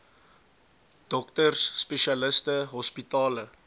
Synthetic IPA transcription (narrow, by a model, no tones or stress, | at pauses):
d̥ɔktərsːpeʃiɐləstəɦɔspitɑːlə